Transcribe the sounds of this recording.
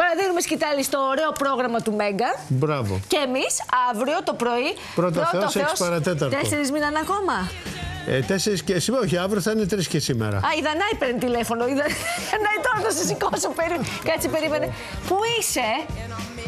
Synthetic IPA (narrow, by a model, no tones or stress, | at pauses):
pɐɾɐðinumescit̪ɐlist̪o̞ːɾe̞o̞pɾo̞ɣɾɐmɐt̪ume̞ŋɡɐbɾɐvo̰ce̞ːmisɐvɾio̞t̪o̞pɾo̞i | pɾot̪pɐɾot̪eoɐsesopɐɾɐt̪et̪̬ɐɾt̪eseɾizminɐnɐko̞mɐ | et̪eseɾiscesimeoçiɐvɾioθɐinet̪ɾiscesimḛɾɐ̰ɐiðɐnɐipeɾnt̪ile̞fo̞no̞iðɐnɐit̪oɾt̪osɐsikosupeɾikɐt̪t͡sipe̞ɾimene̞ | puise̞